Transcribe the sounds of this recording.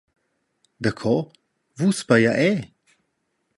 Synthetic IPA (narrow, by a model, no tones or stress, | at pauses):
d̪əkʰɔ | vuspajaʔɛ